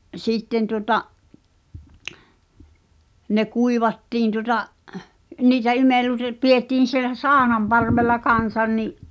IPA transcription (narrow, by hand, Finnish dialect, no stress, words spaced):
ʔsiˑtːen tuotɑʔ ne kuiʋɑtːiːn tuŏtɑʔ niːtæ imelːute pietːiːn̞ sielæ sɑˑonɑmpɑrʋelːɑ kɑn̞sɑn niʔ